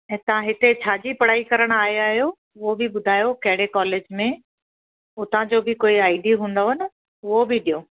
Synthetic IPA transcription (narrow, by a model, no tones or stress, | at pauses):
ɛ̃ːt̪ɐʋ̤ãɦɪt̪et͡ɕʰaːd͡ʑipɐɽ̤aːikɐɾəɽ̃aːɦjaːɦijo | ʊɦobɪbʊd̪ʱaːjokɐ̃ɦɪɽekɔːleːd͡ʑmẽ | ʊt̪ãd͡ʑoːbɪkoːiaːiɖiɦũːnd̪oɦnɪ | ʊɦobɪɗijoː